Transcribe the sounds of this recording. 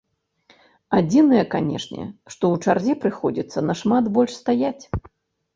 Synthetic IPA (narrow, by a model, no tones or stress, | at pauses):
ad͡zʲinɨjɐkanʲɛ̰ʂnʲɛ̰ʂt̪ɔwt͡ʂarzʲipɾɨxɔd͡zʲit̪sːɐnɐʂmat̪bɔlʲʂst̪ajat͡sʲ